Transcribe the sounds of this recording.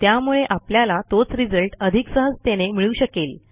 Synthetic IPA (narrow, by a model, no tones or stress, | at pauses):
t̪jamuɭeʔapljalat̪ot͡sɾid͡zəlʈəd̪ʱiksəɦəd͡zt̪enemiɭuːɕəkel